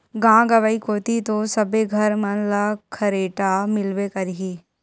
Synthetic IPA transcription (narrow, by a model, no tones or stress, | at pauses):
ɡãːɡɐʋaikoːt̪it̪osɐbeɡʱɐɾmɐnlakʰɐɾeːʈamɪlʋekɐɾiɦiː